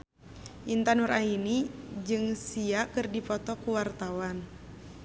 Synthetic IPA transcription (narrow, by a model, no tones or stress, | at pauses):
ʔint̪anuɾainid͡ʒɨŋsiakɨrdipɔt̪ɔkuwart̪awan